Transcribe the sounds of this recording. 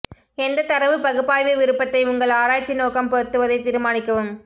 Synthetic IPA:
ɛnd̪ɐt̪ɐɾɐʋɯpɐɣɯpːaːjʋeʋɪɾɯpːɐt̪ːɐɪʊŋɡɐɭaːɾaːʈ̚t͡ʃːinoːkɐmpɐɾɯt̪ːɯʋɐðɐɪt̪iːɾɯmaːnɪkːɐʋɯm

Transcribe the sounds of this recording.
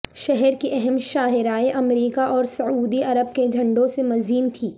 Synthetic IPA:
ʃɛɦɛɾkiʔɛɦɛmʃaːɦɪɾaːeʔɐmɾiːkaʔɔːɾsɐuːd̪iɐɾəb̚ked͡ʒʱɐ̃ɳɖõsemɐziːnt̪ʰiː

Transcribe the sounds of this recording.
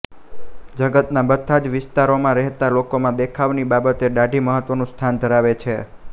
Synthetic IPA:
d͡ʒəɡət̪nabət̪ʰːad͡ʒʋɪst̪aɾomãɾɛɦt̪alokomãd̪ekʰaʋnibabət̪eɖaɖʱiməɦət̪ʋənũst̪ʰand̪ʱəɾaʋet͡ʃʰe

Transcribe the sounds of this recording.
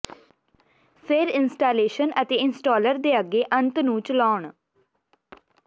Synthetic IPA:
fʰɪɾɪnsʈaːleːʃənət̪eːɪnsʈɔːləɾd̪eːəɡeːʔə̃nt̪nũːt͡ʃlɔːɳ

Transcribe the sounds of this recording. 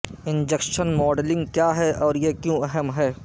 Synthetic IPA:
ɪ̃nd͡ʒekʃənmɔːɖlɪ̃ŋɡ̚kjaːɦɛɔːɾjekjõɛɦəmɦɛː

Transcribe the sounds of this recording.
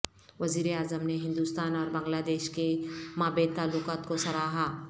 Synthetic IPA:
ʋɐziːɾeaːzəmneɦɪ̃nd̪uːst̪aːnɔːɾbɐ̃ŋɡlaːd̪eːʃkemaːbeːt̪ːaːlːʊkaːt̪kosɐɾaːɦa

